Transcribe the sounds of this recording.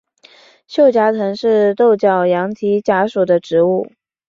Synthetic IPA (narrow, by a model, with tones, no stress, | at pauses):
ɕjo˥˩ʊt͡ɕja˧˥t͡s̪ʰɤ˧˥ŋʂɻ̩˥˧t̪o˥˩ʊt͡ɕjɑ˨˩ʊjɑ˧˥ŋt̪ʰi˧˥t͡ɕja˧˥ʂu˨˩d̪ə˦ʈ͡ʂɻ̩˧˥u˥˩